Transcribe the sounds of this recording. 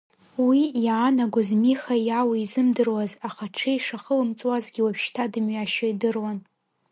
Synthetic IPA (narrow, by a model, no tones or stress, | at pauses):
wijaːnaɡʷʊzmiχajawaizɨmdɨrwazaχaʈ͡ʂʰejʂaχəlɨmt͡sʼwazɡʲiwapʰʃtʰadɨmɥaʃoidɨrwan